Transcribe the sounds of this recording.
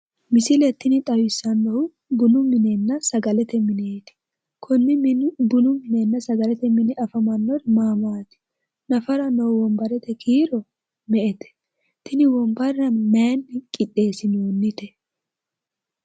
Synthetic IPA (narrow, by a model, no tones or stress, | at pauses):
mɪsɪlɛt̪ːɪnɪt̪ʼɐwɪsɐnːɔʊ | bʊnʊmɪnenːɐsɐɡɐlɛt̪ɛmɪneːt̪ɪ̥ | kʰʊnːɪbʊnʊmɪnenːɐsɐɡɐlɛt̪ɛmɪnɪʔɐfɐmɐnːɔɾmaːmaːt̪ɪ̥ | nɐfɐɾɐnowwɔmbɐɾɛt̪ɛkʰiːɾɔ | mɛʔɛt̪ɛ̥ | t̪ɪnɪwɔmbɐɾɐmɛːnːɪkʼɪt̪ʼːeːsɪnoːnːɪt̪ɛ